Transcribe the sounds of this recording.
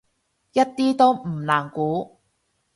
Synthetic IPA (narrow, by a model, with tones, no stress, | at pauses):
jɐ˥t̚t̪iː˥t̪o˥wm̩˨˩nlaː˨˩ŋkuː˨˥